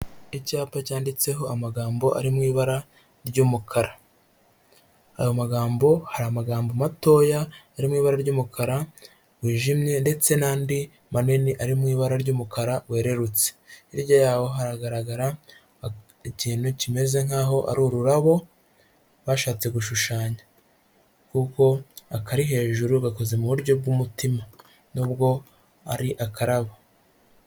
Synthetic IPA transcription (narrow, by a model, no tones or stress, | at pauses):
icaːpacaːndit͡se̞ɦo̞amaɡaːmbo̞ʔa̰ɾimŋiːβaɾa | ɾɟuːmukʰaɾa | a̰jo̞maɡaːmbo̞haɾamaɡaːmbomato̞ːjaː | ɾimŋiːβaɾaɾɟuːmukʰaɾa | wiːʒimɲe̞nde̞t͡se̞naːndi | maneniʔaɾimŋiːβaɾaɾɟuːmukaɾawe̞ːɾe̞ɾut͡se̥iɾɟojaːwo̞ɦaɾaɡaɾaɡaɾa | iciːn̥hucime̞ze̞ŋaːɦo̞ʔa̰ɾuːɾuɾaβo̞ | βaːʃaːt͡se̞ɡuʃuʃaːɲa | kuko̞akaɾiɦe̞ːʒuɾuɡako̞ze̞muβuɾɟo̞b̚ɡumutima | nuːb̚ɡo̞ | a̰ɾiʔakaɾaβo